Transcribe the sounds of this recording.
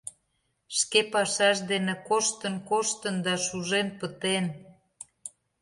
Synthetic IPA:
ʃkepɑʃɑʃ̬d̪enĕkoʃt̪ənkoʃt̪ənd̪ɑʃuʒenpət̪en

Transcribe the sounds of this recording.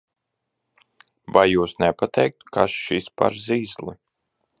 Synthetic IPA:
vajːuːsnɛpat̪ʰɛjk̚t̪kʰasʃispa̰ɾziːzlˠi

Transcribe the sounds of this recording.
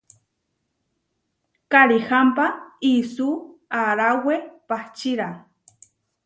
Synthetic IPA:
kaɾixampaisuaɾawepaht͡ʃiɾa

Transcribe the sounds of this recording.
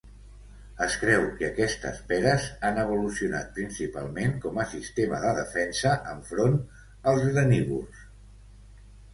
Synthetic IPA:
əskɾɛwkəkɛst̪ə̰spɛɾəzanəβ̞ulusiuna̰t̪̚pɾinsipa̰lˠmeŋkɔməsist̪eməðəðəfɛnsəʔəɱfɾon | əlˠzɣɾəniβṵls

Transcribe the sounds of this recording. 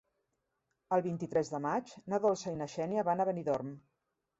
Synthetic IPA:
əlˠβint̪it̪ɾɛzðəmat͡ʃnəðolˠsəinəʃɛniəβanəβəniðɔrm

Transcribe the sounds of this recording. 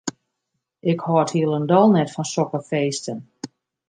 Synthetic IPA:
ʔɪkhɔːthiəlˠəndɔlˠnɛtfɔnsɔkəfeːstən

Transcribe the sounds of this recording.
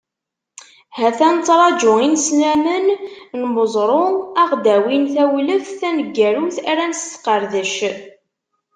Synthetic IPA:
hæθænt͡sːɾˤɑd͡ʒʊinsnæmənnməzˤɾˤʊæʁd̪æwinθæwləθθænəɡːæɾuθæɾænst̪qːəɾðəʃ

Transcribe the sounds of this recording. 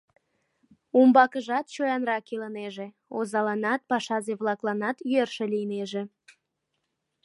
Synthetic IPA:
umbɑkəʒɑt̪t͡ɕojɑnrɑkeləneʒe̽ | ozɑlɑnɑt̪̚pɑʃɑzeβlɑklɑnɑt̪yerʃelijneʒe

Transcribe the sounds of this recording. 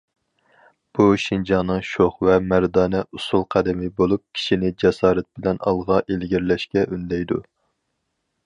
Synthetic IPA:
b̥uʃind͡ʒɑnːɨŋʃoχvɛmæɾd̪ɑːnɛʔusulˠqʰæd̪ɪmɪbolˠup̚kʲʰi̥ʃinɪd͡ʒɛsɑːɾɛt̪̚bɪlɛnɑ̰lˠʁɑʔelɡʲiɾlɛʃkʲɛʔynlɛjd̪ṵ

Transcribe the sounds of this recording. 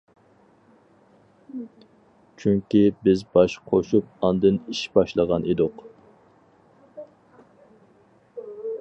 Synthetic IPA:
t͡ʃʰyŋkʲibɪzbɑʃqʰoʃup̚ɑnd̪ɨniʃbɑʃlˠəʁɑnʔid̪ʊq

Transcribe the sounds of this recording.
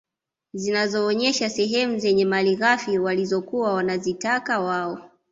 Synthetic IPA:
zinazɔːɲɛʃasɛɦɛmuzɛɲɛmaliɣafiwalizɔkuwawanazitakawaɔ

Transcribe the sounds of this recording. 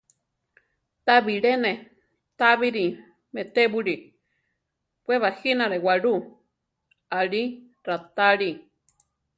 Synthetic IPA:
t̪aβiɺenẽ | t̪aβiɾi | met̪eβuɾi | pweβahinaɾewaɺu | aɺi | ɾat̪aɺi

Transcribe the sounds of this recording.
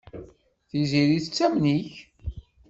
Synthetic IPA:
θiziɾiθət͡sːæmniç

